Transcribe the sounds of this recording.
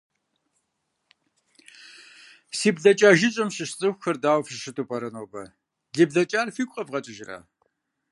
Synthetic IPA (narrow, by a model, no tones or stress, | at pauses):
siːbɮɐt͡ʃʼaːʒɪɕʼɐmɕɨɕt͡sʼɨxʷʊxɐrdaːwfʃɨtʰʼupʼɐɾɐnoːbɐ̰ | ɮɨbɮɐt͡ʃʼaːrfiːkʷʼqʼɐbʁɐt͡ʃʼɪʒɪra̰ː